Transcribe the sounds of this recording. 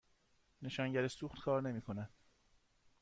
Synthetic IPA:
ne̞ʃɒːŋɟæɾesuːxt̪kʰɒːɾne̞miːkʰo̞næd̪̥

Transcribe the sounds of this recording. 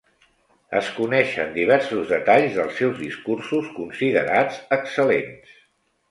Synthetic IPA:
ə̰skunɛʃə̰nd̪iβ̞ɛɾsuzðət̪aʎzðəlˠsːɛwzðiskursuskunsiðə̰ɾad͡zəksəlens

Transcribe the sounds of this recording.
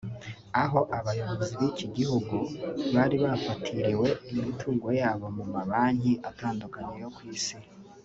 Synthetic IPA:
aɦo̞ʔaβajo̞βoziβiːciɡihuɡuβaːɾiβafatʰiɾiwe̞imintʰuːŋɡo̞jaːβo̞mumaβaːɲiʔataːndukaɲejo̞kwiːsi

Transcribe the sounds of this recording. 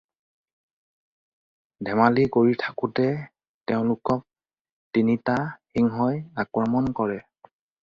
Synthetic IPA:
dʱɛmalikoɹitʰḁkʊtɛ | tɛʊ̃lʊkɔk̚ | tinitaxiŋɦɔjakɹɔmɔnkɔɹɛ

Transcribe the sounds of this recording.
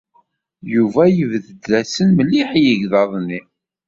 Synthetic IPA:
juvæjəvðəd̪læsənməlːiħjəʝðɑðˤnːi

